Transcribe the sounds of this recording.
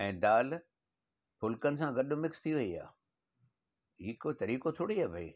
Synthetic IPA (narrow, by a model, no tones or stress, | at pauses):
ɛ̃ːd̪aːl | pʊlkənɪ̆s̬ãɡɐɗʊmɪkst̪ʰiʋɐia̰ː | ɦiːkot̪ɐɾiːkot̪ʰoːɽiaːbʱɐiː